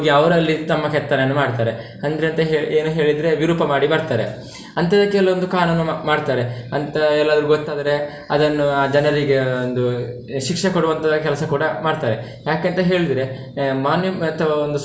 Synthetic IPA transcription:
ɦoɡiɐʋɐɾɐlːit̪ɐmːɐkɛt̪ːɐnɐnːumaːɖt̪aːɾe̞ | ɐnd̪ɾeɐnt̪ɐɦeeːnuɦe̞ːɭid̪ɾe̞ʋiɾuːpɐmaːɽibɐɾt̪aːɾe̞̰ | ɐnt̪ɐd̪ɐkːeɛlɐond̪ukaːɾunːumaːɖt̪aːɾeɐnt̪ɐɛlːaːd̪ɐɾuɡot̪ːaːd̪ɐɾe̞ | ɐd̪ɐnːuaːd͡ʒɛnɐɾiɡeond̪u | ʃikʂɐkoɽuʋɐnt̪ʰɐd̪ɐkɛlɐsɐkuːɽɐmaːɖt̪aːɾe̞ | jaːkent̪ɐɦe̞ːɭid̪ɾe̞ | maːnjɐɐt̪ʰɐʋɐond̪u

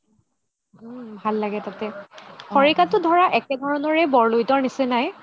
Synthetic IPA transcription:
bʱalːaɡɛtatɛkʰɔɹikatʊdʱɔɹaʔɛkɛdʱɔɹɔnɔɹɛbɔɹlojtɔɹnisɛnaj

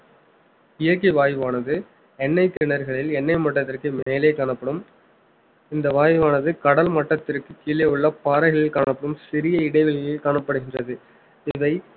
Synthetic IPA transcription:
ɪjɐk̬ːiʋaːjʋaːnɐðɯ | ɛnːɐɪt̪ɪɳɐɾɣɐɭɪlɛnːɐɪmɐʈːɐt̪ːɪrkɯmeːleːkaːɳɐpːɐɽɯm | ɪnd̪ɐʋaːjʋaːnɐðɯkɐɽɐlmɐʈːɐt̪ːɪrkɯkːiːɭjeɯɭːɐpaːɾɐɪɣɐɭɪlkaːɳɐpːɐɽɯmsɪɾɪjɐɪɽɐɪʋɪɭɐjɪlkaːɳɐpːɐɽɯɣɪndrɐðɯ | ɪʋɐɪ

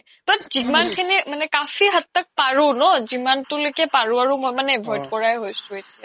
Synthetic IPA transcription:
tatz̥imankʰinimanɛkafiɦatːak̚paɹunɔzimantʊlojkɛpaɹuaɹumojmanɛɛbʱɔjdkɔɹajɦojsʊ̃etija

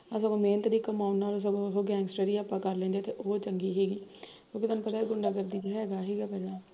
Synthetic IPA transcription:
as̬aɡõːmeːnət̪d̪iːkəmaːunːaːloːs̬əbɦoːɡɛ̃ːŋɡsʈəɾiːaːpːãːkəɾlɛ̃ːnd̪eːt̪eːʔoːt͡ʃəŋɡiːɦɛːɡiːkjõːkɪt̪aːnũːpət̪aːɡʊɳɖaːɡəɾd̪iːd͡ʒeːɽaɦɛːɡaːɦɛːɡaːpɛːlãː

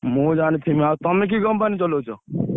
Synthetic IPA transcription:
mũd͡ʒanit̪ʰimĩat̪ɔmek̬iɡɔmpanit͡ʃɔlot͡ʃʰɔ

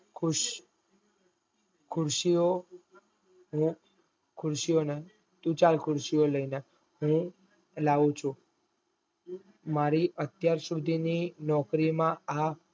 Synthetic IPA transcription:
kʰʊʃ | kʰʊɾʃio | ɦũ | kʰʊɾʃijone | t̪ũt͡ʃalkʰʊɾʃioləine | ɦũ | laʋũt͡ʃʰũ | maɾiʔət̪jaɾsud̪ʱininɔkɾimãa

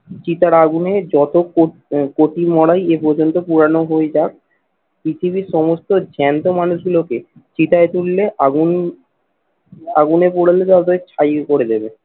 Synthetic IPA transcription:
t͡ɕit̪aɾaɡuned͡ʑɔt̪oko | koʈimɔɽajepɔɾd͡ʑont̪opuɾanoɦoed͡ʑak̚ | pit̪ʰibiɾʃɔmost̪od͡ʑʱɛnt̪omanuʃɡuloke | t͡ɕit̪aet̪ulleʔaɡun | a̰ɡunepoɽalet̪at̪oet͡ɕʰajkoɾed̪ebe

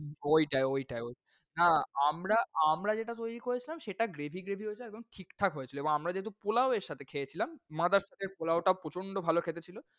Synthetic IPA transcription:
ojʈaeojʈaeoj | naamɾaamɾad͡ʑeʈat̪ojɾikoɾet͡ɕʰilamʃeʈaɡɾebʱiɡɾebʱiɦoet͡ɕʰiɛɡ̚d̪oŋʈʰikʈʰakɦojet͡ɕʰiloebõŋamɾad͡ʑeɦet̪upolaoeɾʃat̪ʰekʰejet͡ɕʰilamːad̪aɾʃat̪ʰeɾpolaoʈapɾot͡ɕʰoɳɖobʱalokʰet̪et͡ɕʰilo

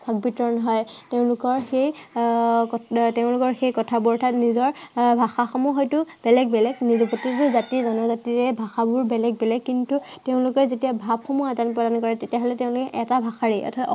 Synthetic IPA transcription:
bʱaɡ̚bitɔɹɔnɦɔjteʊ̃lʊkɔɹxej | kɔteʊ̃lʊkɔɹxejkɔtʰabʊɹɔtʰatnizɔɹbʱaxaxɔmɔxɔjtʊb̥ɛlɛɡ̚bɛlɛɡnizɔpotitʊzatizɔnɔɹzatiɹɛbʱaxabʊɹbɛlɛɡ̚bɛlɛɡ̚kːintuteʊ̃lʊkɔɹzetijabʱab̚xɔmuadanpɹɔdankɔɹɛtetijaɦɔlɛteʊ̃lʊkɛʔɛtabʱaxaɹiʔɔ̰tʰatɔ

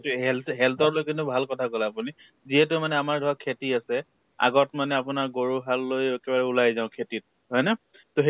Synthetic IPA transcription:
tuɦɛlɦɛltɔtlojkintʊbʱalkɔtʰakɔlɛapuni | ziɦɛt̬ʊmanɛamaɹdʱɔakʰetiasɛ | a̰ɡɔtmanɛapʊnaɹɡoɹuɦalːojɛkɛbaɹɛʊlajzãʊkʰetit̚ | ɦɔjna | toɦ

